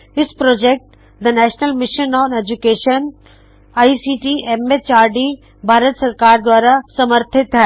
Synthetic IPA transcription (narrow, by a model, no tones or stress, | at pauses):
ɪspɾɔːd͡ʒek̚ʈ | d̪ənɛːʃnəlmɪʃənɔːned͡ʒukeːʃən | aːisiːʈiʔemet͡ʃaːɾɖi | bʱaːɾət̪sɐɾkaːɾd̪waːɾasɐməɾt̪ʰɪt̪ɦɛː